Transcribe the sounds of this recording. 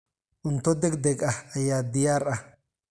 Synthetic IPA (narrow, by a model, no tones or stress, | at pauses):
ʔʊnt̪ːɔd̪ɛkd̪ɛkʼɐɐjaːd̪ɪjaːrɐ